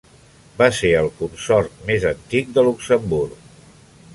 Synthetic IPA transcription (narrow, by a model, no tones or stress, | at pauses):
baseɾəlˠkunsɔɾt̪mezənt̪ik̚d̪əluksəmbuɾrk